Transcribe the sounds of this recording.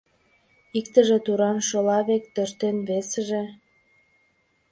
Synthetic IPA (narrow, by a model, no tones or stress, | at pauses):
ikt̪əʒĕt̪uɾɑnʃolɑβek̚t̪ørt̪enβesəʒe